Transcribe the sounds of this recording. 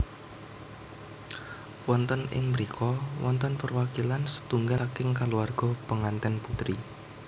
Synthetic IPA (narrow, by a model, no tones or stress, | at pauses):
wɔnt̪ɔnɪ̰ŋməɾikʰɔwɔ̰nt̪ɔnpərwakilansə̥t̪uŋɡakɪŋkaluarɡ̥ɔpəŋant̪ɛnput̪ɾi